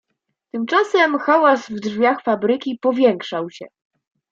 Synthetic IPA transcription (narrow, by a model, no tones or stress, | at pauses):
t̪ɘmt͡ʂasɛmxawasvdʐvʲjaxfabɾɘkʲipɔvʲjɛŋkʂawɕɛ̰